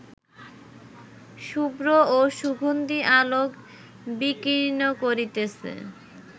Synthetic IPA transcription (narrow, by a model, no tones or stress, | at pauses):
ʃubɾooʃuɡʱond̪iʔalok | bikinokoɾit̪esʰḛ